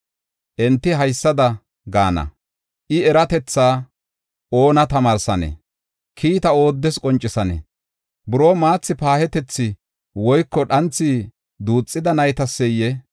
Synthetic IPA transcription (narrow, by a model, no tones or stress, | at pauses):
ʔɛnt̪ːɪɦɐjsːɐd̪ɐ | ɡa̰ːnɐ̰ | ʔɪɛɾɐt̪ɛt͡sːaː | ʔo̞ːnɐt̪ɐmaːɾsɐnɛ̰ | kʰiːt̪ɐo̞ːd̪ːɛskʼɔnt͡ʃʼːɪsɐnɛ̰ | bʊɾoːmaːt͡sːɪpaːhɛt̪ɛt͡sːɪ | wɔjkːɔɗɐnt͡sːi | d̪uːt͡sʼːɪd̪ɐnɐjt̪ɐsːɛjːɛ